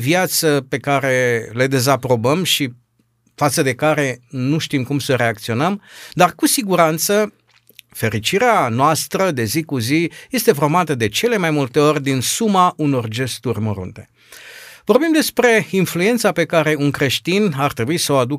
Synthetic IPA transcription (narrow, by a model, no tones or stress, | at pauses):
vjat̪səpe̞kaɾe̞led̪e̞zapɾo̞bəmʃi | fat̪səd̪e̞kaɾe̞nuʃt̪imkumsəɾe̞ak̚t̪sio̞nəmd̪arkusiɡuɾant̪sə | fe̞ɾit͡ʃiɾeanoast̪ɾəd̪e̞zikuzije̞st̪e̞fo̞rmat̪əd̪e̞t͡ʃe̞le̞majmult̪e̞o̞rʲd̪insumaʔuno̞rd͡ʒe̞st̪urʲmoɾṵnt̪e̞̥ | vo̞rbimd̪e̞spɾe̞influe̞nt̪sape̞kaɾe̞unkɾe̞ʃt̪inart̪ɾe̞buisəoad̪u